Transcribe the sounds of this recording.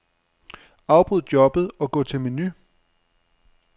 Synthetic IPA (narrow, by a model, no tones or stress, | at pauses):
ɑ̈ʊb̥ʁuð̰ˠdjɒ̽b̥ð̞̩ˠɒ̽ɡ̥ɔ̰̽ːt͡sʰe̝lmeny